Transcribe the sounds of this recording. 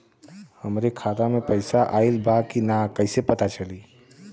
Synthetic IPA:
həmɾekʰaːt̪amẽpəɪsaʔaːɪlbʱakinakɐɪsepɐt̪at͡ʃəliː

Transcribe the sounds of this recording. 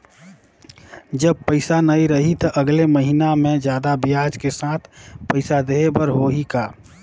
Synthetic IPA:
d͡ʒəb̚pəɪsanəiɾəɦit̪əʔəɡleməɦinamẽd͡ʒjaːd̪abijad͡ʒkesat̪ʰpəɪsad̪eebəɾɦoɦika

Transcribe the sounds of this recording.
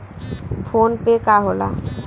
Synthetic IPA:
fʰonpekaɦola̰

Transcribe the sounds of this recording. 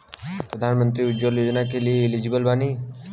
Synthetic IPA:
pɾəd̪ʱaːnmə̃nt̪ɾiudd͡ʒoljoːd͡ʒnakelieɪlid͡ʒibəlbani

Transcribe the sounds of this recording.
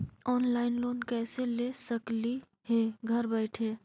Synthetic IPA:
ɔːnlaːɪnloːnkɛːselesəkli | heːɡʱəɾbɛɪʈʰeː

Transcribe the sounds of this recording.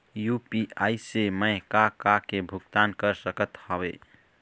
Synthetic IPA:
jupiajseməjkakakebʱuk̚t̪ankəɾsəkət̪hʌbe

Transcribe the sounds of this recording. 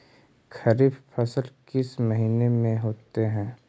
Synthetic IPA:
kʰɐɾiːbpʰɐsəlkɪsməɦiːnemẽɦoːt̪eɦɛ̃ː

